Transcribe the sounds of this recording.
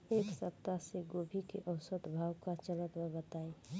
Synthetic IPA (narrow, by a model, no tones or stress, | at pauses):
eːksəp̚t̪aseɡobʱikeʔəʊsəd̪bʱaːwkat͡ʃələt̪məbət̪ae